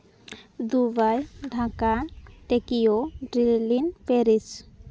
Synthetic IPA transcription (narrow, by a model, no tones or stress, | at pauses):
d̪ubajɖʱãkaʈekijoɖɾilinpeɾis